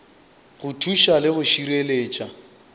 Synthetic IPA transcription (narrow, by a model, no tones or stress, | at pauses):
ɣʊtʰuʃalɪɣʊʃiɾeleːt͡ʃʼa